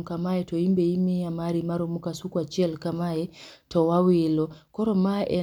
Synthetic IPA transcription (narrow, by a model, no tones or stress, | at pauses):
kamaɛtɔimbɛimiamaɾimaɾɔmukasukwat͡ʃɛlkamaɛtɔwawilɔkɔɾɔmaʔɛ